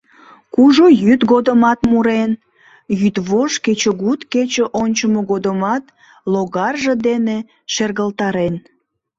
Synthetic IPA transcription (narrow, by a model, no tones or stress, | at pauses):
kuʒojyt̪ɣod̪əmɑt̪muɾen | jyt̪βoʃket͡ɕəɣut̪ket͡ɕəʔonʲt͡ɕəmoɣod̪əmɑt̪ | loɣɑrʒəd̪ene | ʃerɣəlt̪ɑɾen